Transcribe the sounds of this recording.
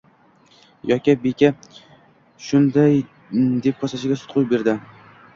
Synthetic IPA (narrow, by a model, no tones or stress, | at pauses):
jɒkʲɪbekʲa | ʃʊnd̪aj | d̪e̞p̚kʰɒsaʃɪɡʲasʊ̥t̪̚qʰʊjbe̞ɾd̪ɪ